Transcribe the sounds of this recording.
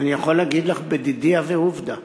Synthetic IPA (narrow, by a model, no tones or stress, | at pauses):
anijaχolːaɡid̪laχbed̪id̪iaveuvd̪a